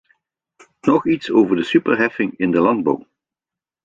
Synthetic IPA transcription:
nɔχitsoːvəɹdəsypəɹɦɛfɪŋɪndəlɑndbɑ̰w

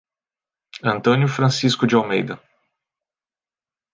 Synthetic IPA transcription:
ɐ̃nt̪õnjʊfɾɐ̃siskʊd͡ʒɪawmejd̪ɐ

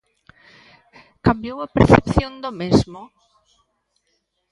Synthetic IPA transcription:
kambjowapeɾθḛpθjõnd̪omezmo

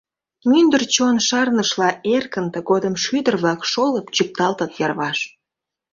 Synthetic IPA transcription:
mynd̪ərt͡ɕonʃɑrnəʃlɑerkənt̪əɣod̪əmʃyd̪ərβlɑkʃoləpt͡ɕyk̚t̪ɑlt̪ət̪jɑrβɑʃ

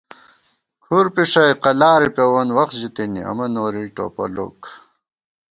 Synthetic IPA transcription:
kʰuɾpiʂɐjqɐlaːɾipewɐnwɐxt̪ʑit̪inḭɐ̰mɐnoːɾiʈo̰pɐ̰lo̰ːk

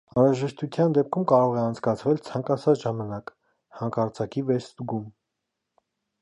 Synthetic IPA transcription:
ɑnɾɑʒɛʃt̪ut͡s̪ʰjɑnd̪ɛp̚kʰumkɑɾɔʁɛɑnt͡sʰkɑt͡sʰvɛlt͡sʰɑŋkɑt͡sʰɑt͡sʒɑmɑnɑk | hɑŋkʰɑɾt͡sʰɑkivɛt͡sst̪ɡum

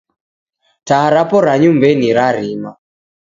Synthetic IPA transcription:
taaɾapɔɾaɲumbeniɾaɾinɔ

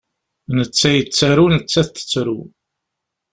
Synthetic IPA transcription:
nət͡sːæjət͡sːæɾunət͡sːæθθə̥t͡sːɾu

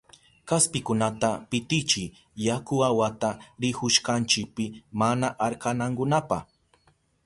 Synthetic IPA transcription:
kaspɪkʊnat̪apɪt̪ɪt͡ʃɪ | jakʊawat̪aɾɪhʊʃkant͡ʃɪk̚pɪmanaʔaɾkanaŋkʊnapa̰h

